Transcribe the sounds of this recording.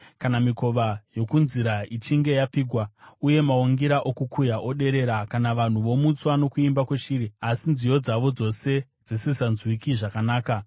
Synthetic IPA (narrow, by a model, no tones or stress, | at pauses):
kanamiko̞ʋajo̞kunziɾait͡ʃiŋɡe̞jap͡fiːɡʱwauje̞maoŋɡiɾaʔo̞kukʰujaʔo̞ɗe̞ɾe̞ɾakanaʋan̤uʋo̞mut͡swano̞kuimbakweʃiːɾiasinzijo̞d͡zaʋo̞d͡zo̞se̞ | d͡zisisanzwikiʐakanaːka